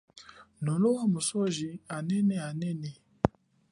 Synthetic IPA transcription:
nɔloamusɔʒianɛnɛanɛnɛ

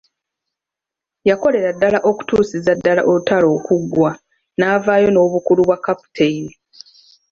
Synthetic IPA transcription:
jako̞le̞ɾadːalaʔo̞ku̥tuːsizadːala̰ʔolutalo̞ːkuɡwa | naːvaːjo̞no̞ːβukuluβwakːapu̥tʰeili

